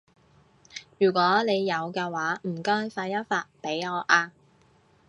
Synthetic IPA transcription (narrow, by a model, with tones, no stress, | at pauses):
jyː˨˩kʷɔː˨˥ne˨˧jːɐ˨˧wkɛː˧waː˨˥m̩˨˩kɔː˥jfaː˧t̚jɐ˥t̚faː˧t̚pe˨˥jŋɔː˨˧ʔaː˧